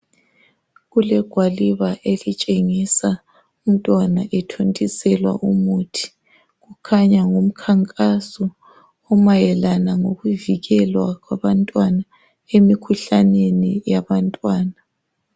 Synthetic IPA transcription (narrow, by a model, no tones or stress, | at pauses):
ɣulɛɡ̥ʱwaliβaʔelit͡ʃʼeŋisa | um̩tʼwanaʔɛtʰontʼisɛlwa̰ʔumutʰi̥ | ɣukʰaɲaŋum̩kʰaŋkʼasɔ | ɔmajɛlanaŋoɣuviɣɛlwaɣwaβantʼwana | emikʰuɬanenijaβantʼwaːna